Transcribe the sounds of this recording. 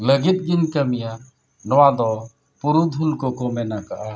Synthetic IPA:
ləɡit̪̚ɡiɲkəmija | nɔwad̪ɔ | puɾud̪ʱulkɔkɔmɛnakaʔa

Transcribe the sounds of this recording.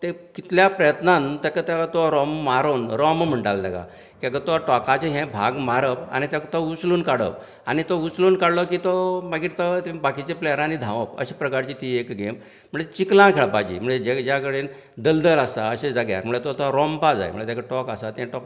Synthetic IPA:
t̪ekit̪ljapɾəjət̪nãnt̪ɛkat̪jakt̪oɾɔmːaɾonɾɔmm̤əɳʈalt̪ɛka̰ | kiakət̪oaʈɔkat͡ɕeɦɛ̃bʱaɡmaɾəpa̰ñit̪akt̪out͡sluːnkaɽə̰p | a̰nit̪out͡sluːnkaɽlɔkit̪omaɡiːɾt̪ət̪ebakit͡ɕeplɛəɾãnid̪ʱãʋəpə̰ɕepɾəkaɾt͡ɕit̪iːekɡem̤ː | əɳet͡ɕiklãkʰeɭapad͡ʑḭːm̤əɳd͡zed͡ʑɛd͡ʑjakəɽen | d̪əld̪əlasaəɕed͡zaɡja̰ɾm̤əɳet̪ot̪aɾɔmpad͡za̰j̰mə̰ɳet̪jakəɽeʈɔkasat̪ɛ̃ʈɔk

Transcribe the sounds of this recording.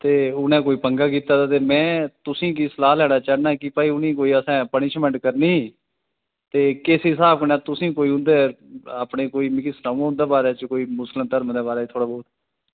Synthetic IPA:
t̪eːʊnẽːkoːiːpəŋɡaːk̬iːt̪aːd̪aːt̪eːmɛ̃ːt̪ʊsĩːkisəlaːlɛːɽaːt͡ʃaːnaːkɪpaːiʊnĩːkoːiːəsãːpənɪʃmɛ̃ːɳʈkəɾniː | t̪eːkeːseɦɪsaːbkənaːt̪ʊsĩːkoːiːɦʊ̃nd̪eːaːpɳeːkoːiːmɪkislãːãːɦʊ̃nd̪eːbaːɾeːt͡ʃəkoːiːmʊsləmt̪əɾmd̪eːbaːɾeːt̪ʰoːɽaːbɔːt̪ː

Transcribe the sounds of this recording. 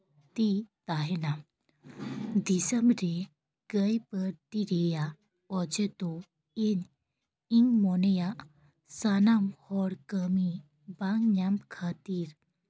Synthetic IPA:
t̪it̪aɦena | d̪isəmbɾe | ɡəjpəɾʈiɾeja | ɔd͡ʑet̪ɔ | en | iŋɡmɔneja | sanamhɔɾkəmi | baŋɲamkʰat̪iɾ

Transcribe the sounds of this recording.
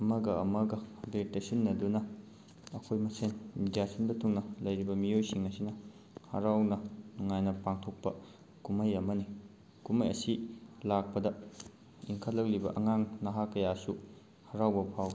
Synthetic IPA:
ɐmɐɡɐɐmɐɡɐbetesinːɐdunɐː | kʰojmɐsenmidijasinbɐtʰuŋnɐlɐjɾibɐmiojsiŋɐsinɐ | hɐ̰ɾawnɐnuŋajnɐpaŋtʰok̚pɐ | kumɐjɐmɐni | kumɐjɐ̰silak̚pɐdɐ | iŋkʰɐlːɐklibɐ̰ʔɐŋaŋnɐɦakːɐjasu | hɐɾawbɐpʰaw

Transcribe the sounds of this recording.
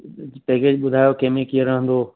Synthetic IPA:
pɛːkeːd͡ʑɓʊd̪ʱaːjokeːmekieɾɐɦə̃nd̪oː

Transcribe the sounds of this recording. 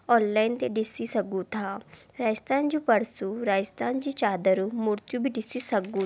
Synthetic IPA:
ɔːnlaːint̪eɖɪsisəɡut̪ʰaːɾaːd͡ʒəst̪ʰaːnd͡ʒũpəɽsuɾaːd͡ʒst̪ʰaːnd͡ʒit͡ʃaːd̪əɾumuɾt̪jubʱiɖɪsisɐɡũ

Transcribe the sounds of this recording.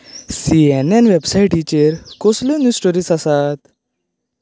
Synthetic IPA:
sienɛnʋebsaiʈit͡ɕeɾkoslenusʈoɾiːsasat̪

